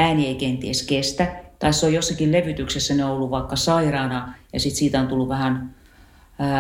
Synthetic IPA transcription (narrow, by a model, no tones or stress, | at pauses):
æːnieikent̪ieskest̪æt̪ɑisseojosːɑkilleʋyt̪yksesːæneoolːuʋɑikːɑsɑirɑːnɑjɑ̰sit̪siːt̪æont̪ulːuʋʋæhæn